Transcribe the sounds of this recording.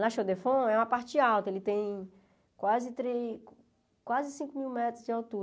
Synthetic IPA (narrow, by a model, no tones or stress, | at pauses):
nɐʃod̪efõɛũɐpaɾt͡ʃd͡ʒɪawt̪ɐelɪt̪ẽj̃ | kwazɪt̪ɾe | kwazɪsĩkʊmiwmɛt̪ɾʊzd͡ʒɪawt̪u